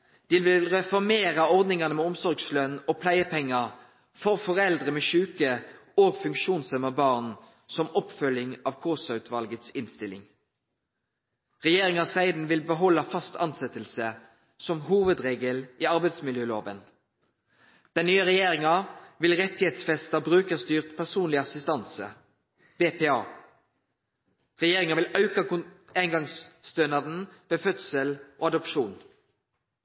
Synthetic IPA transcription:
d̪̥ɪlʋɪlʁɛfɔʁmeːʁəɔʁd̪nɪŋɑnəmɛʊmsɔʁɡslœnːoːpʰlæɪəpʰɛŋːɑ | fɔʁfɔʁɛld̪ʁəmɛʃʉːkə | oːɡfʉŋkʃuːnsœməbɑːʁn | sɔmɔpfœljɪŋɑːʋkʰoːsɑʉt̪ʰʋɑlɡət̪sɪnst̪ɪlɪ̰ŋ | ʁɛjeːʁɪŋɑsæɪd̪n̩ʋɪlbəɦɔlːɑfɑst̪ɑnsɛt̪əlsə | sɔmhuːʋəd̪ʁeːɡəlʔiːɑʁbæɪd̪smɪljøːloːʋən | d̪̥ɛnnyːəʁɛjeːʁɪŋɑʋɪlʁɛt̪ːɪheːt̪sfɛst̪əbʁʉːkəst̪yːʁt̪pʰæʁsuːnlɪɑsɪst̪ɑnsə̰ | beːpeːɑ̰ː | ʁɛjeːʁɪŋɑʋɪlɑʉkɑʊæɪŋɡɑŋst̪øːnɑd̪n̩ʋeːfœt̪səlʔoːɑd̪ɔpʃuːn

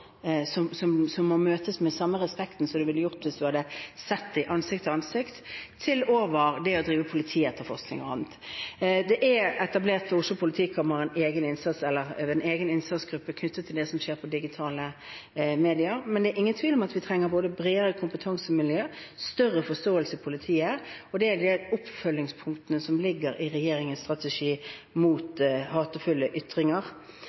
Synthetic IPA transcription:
sɔmsɔmsɔmːɔmøːt̪əsmɛsɑmːəʁɛspɛkt̪n̩sɔd̪ɛʋɪlːəjʊʁt̪ʋɪsd̪ʉhɑd̪əsɛt̪ːɪʔɑnsɪk̚t̪ʰɔɑnsɪkt̪ʰːɪloːʋəɾd̪ɛɔd̪ɾiːʋəpʰʊlɪt̪ʰiːɛt̪ːəɾfɔʁsknɪ̰ŋɔɑ̰nt̪d̪ɛʔɛɛt̪ɑbleːʁt̪fʰɔʊslʊpʰʊlɪt̪ʰiːkʰɑməʁɛneːɡənɪnsɑt̪sɛlːəʁɛneːɡənɪnsɑt̪sɡ̥ɾʉpːəkʰnʉt̪ːət̪ʰːɪld̪ɛsɔmʃeːɾpʰɔd̪ɪɡɪt̪ʰɑːlə | meːd̪ɪəɾmɛnd̪ɛæːɾʔɪŋːənt̪ʰʋiːlɔmɑt̪ʋɪt̪ʰɾɛŋːəɾboːd̪əbɾeːəʁəkʰʊmpət̪ʰɑŋsəmɪlɪjøːst̪œɾːəfɔst̪oːəlsəɪpʰʊlɪt̪ʰiːəɔd̪ɛæɾd̪ɛʊpfœlːɪŋspʰʊŋkt̪ənəsɔmlɪɡəɾʔɪʁɛjeːɾɪŋənst̪ʁɑt̪ɛʂiːmuːt̪hɑːt̪əfʉlːəʔʏt̪ʁɪŋəʁ

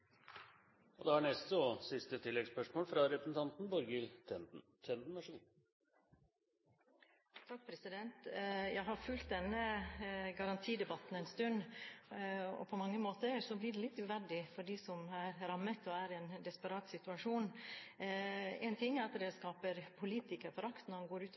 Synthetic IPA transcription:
ɔd̪ɛhɑɳɛst̪sɔsɪst̪ət̪ʰɪlːɛɡspœʂmoːlfɾɑɾɛpɾəsn̩t̪ʰɑnt̪n̩bɔɾɡəl | t̪ʰɛnd̪nɑʂuːn | t̪ʰɑk̚ːpʰɾɛsɪd̪ɛnt̪jæɪɦɑɾfʉlt̪̚d̪ɛnːəɡɑɾɑnt̪ʰiːd̪ɛbɑt̪n̩ɛɪnst̪ʉnː | ɔ̰pʰɔmɑŋːəmoːt̪əɾsɔblɪɖɛlɪt̪ːʉːʋæɖɪfɔɖiːsɔmæɾɾɑmːət̪ɔæɾɛnd̪ɛspəɾɑːt̪sɪt̪ʉɑʂuːn | ɛɪnt̪ʰɪŋːæɾɑt̪d̪ɛskɑːpəɾpʰʊliːt̪ɪkəɾfɔɾɑkt̪nɔɾhɑnɡoːɾʉːt̪

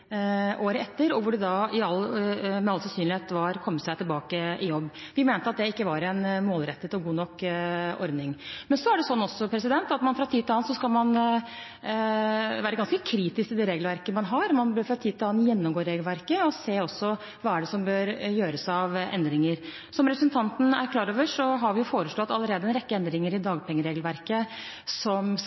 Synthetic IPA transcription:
ʔoːɾəɛt̪ːəɾɔʋʊɖɛd̪ɑɪɑlmɛɑlsɑsyːnlɪheːt̪ʋɑɾkʰɔmːət̪sæɪt̪ʰɪlbɑːkəʔɪjɔbːʋɪmeːnt̪əɑt̪̚d̪ɛɪkːəʋɑɾɛnmoːlɾɛt̪ːət̪ʰɪlɡuːnɔkːʔɔ̰ɾd̪nɪŋmɛnsɔæɖɛsɔnːɔsːɔpʰɾɛsɪd̪ɛnt̪ɑt̪mɑnfɾɑt̪ʰiːd̪̚ɪlɑːnsɔskɑlmɑn | ʋæːɾəɡɑnskəkʰɾiːt̪ɪskɪd̪ɛɾeːɡlʋæɾkəmɑnɦɑɾmɑnbøɾfɾɑt̪ʰiːd̪t̪ʰɪlɑːnjɛnːɔmɡoːɾeːɡlʋæɾkəɔseːɔsːɔ | ʋɑːæɖɛsɔmbøːɾjøːɾəsɑʋɛ̰nd̪ɾɪŋəɾ | sɔmɾɛpɾsn̩t̪ʰɑnt̪n̩æ̰ɾkʰlɑːɾoːʋəʂɔɦɑɾʋɪjʊfoːɾəʂɭɔt̪ːɑləɾeːd̪əɛnɾɛkːəɛnd̪ɾɪŋəɾɪd̪ɑːɡpʰɛŋːəɾeːɡlʋæɾkə | sɔm

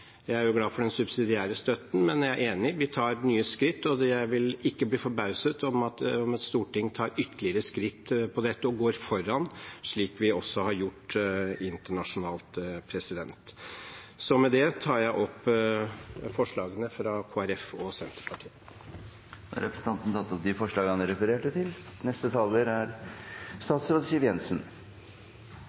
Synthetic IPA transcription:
jæɪæɾjʊɡlɑːfɔɖɛnsʉbsɪd̪ɪæːɾəst̪œt̪ən̩mɛnjææɾʔeːnɪʋɪt̪ʰɑːɾnyːəskɾɪt̪ːɔjæɪʋɪlɪkːəbliːfɔɾbɑʉsət̪ʰɔmɑt̪ɔmɑt̪st̪uːʈɪŋt̪ʰɑːɾʏt̪ːəlɪəɾəskɾɪt̪ːpʰɔd̪ɛt̪ːəɔɡoːɾfɔɾːɑnʂɭiːkʋɪɔsːɔhɑɾjʊʈːɪnt̪əɳɑʂʊnɑːlt̪pʰɾɛsɪd̪ɛnt̪ | sɔmɛd̪ɛt̪ʰɑːɾjæɪʔɔpː | fɔʂɭɑːɡənəfɾɑkʰoːæɾɛfɔsɛnt̪ɾəpʰɑʈʰiːə | d̪̰ɾɛpɾə̥sn̩t̪ʰɑnt̪n̩t̪ʰɑt̪ːɔp̚d̪ɪfɔʂɭɑːɡɑnɾɛfəɾeːʈət̪ʰɪlnɛst̪ət̪ʰɑlʋəɾæɾst̪ɑːt̪sɾoːd̪siːʋjɛnsn

